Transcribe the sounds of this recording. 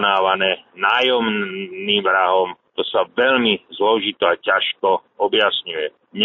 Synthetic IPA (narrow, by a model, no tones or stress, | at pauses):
naːʋanɛːnaːjɔmniːmʋɾaɦɔmt̪ɔsaʋɛʎmizlɔʒit̪ɔacaʃkɔɔbjasɲujɛ | ɲ